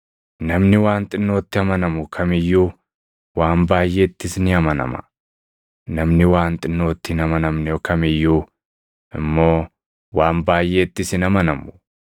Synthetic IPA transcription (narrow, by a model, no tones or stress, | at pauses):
nɐmnɪwaːnt̪ʼɪnːo̞ːt̪ːɪɐmɐnɐmʊkʰɐmɪjːuː | waːmbaːjːe̞ːt̪ːɪsnɪɐmɐnɐ̰mɐ̥̰ | nɐmnɪwaːnt̪ʼɪnːo̞ːt̪ːɪɪnɐmɐnɐmnɛjɔkɐmɪjːuː | ʔɪ̰mːo̞ː | waːmbaːjːe̞ːt̪ːɪsɪnɐmɐnɐmʊ̥